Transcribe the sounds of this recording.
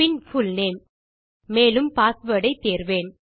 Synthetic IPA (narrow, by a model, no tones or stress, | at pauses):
ɪnfʊlneːn | meːlɯmpaːsʋəːɽɐɪt̪ːeːɾʋeːn